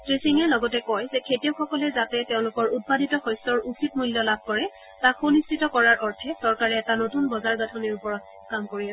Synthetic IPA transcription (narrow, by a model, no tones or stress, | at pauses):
tɹisiŋɛlɔɡɔtɛkɔjzɛkʰetijɔxɔkɔlɛzatɛtɛʊ̃lʊkɔɹut̚padʱitɔxɔjsɔɹukʰitmuljɔlab̚ʱkɔɹɛ | takonistʰitɔkɔɹaɹʔɔɹtʰɛsɔɹkaɹɛːtanotunbɔzaɹɡatʰɔniɹupɔɹɔt̚ | kamkoɹiɛ